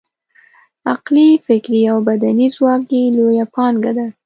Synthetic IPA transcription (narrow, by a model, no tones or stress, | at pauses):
aqlifɪkɾiawbad̪anizwɑk̚j̪ilojapʰɑnɡad̪a